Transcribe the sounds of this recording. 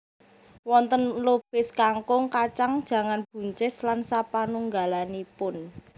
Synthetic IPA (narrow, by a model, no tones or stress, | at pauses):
wɔnt̪ənlob̥ɪskaŋkʊŋkat͡ʃaŋd̥ʒ̥ä̤ŋanb̥ṳɲt͡ʃɪslansapanuŋɡa̤lanipʊn